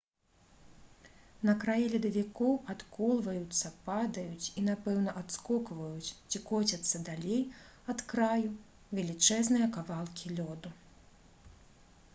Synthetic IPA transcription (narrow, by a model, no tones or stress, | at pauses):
nɐkɾajilʲid̪ɐvʲikɔwat̪kɔlˠvɐjut̪sːɐpad̪ɐjut͡sʲinapɛwnɐʔat̪skɔkvɐjut͡sʲt͡sʲikɔt͡sʲɐt̪sːɐd̪alʲej | ɐt̪kɾaju | vʲɛlʲit͡ʂɛznɨjɐkavalˠkʲilʲɔd̪u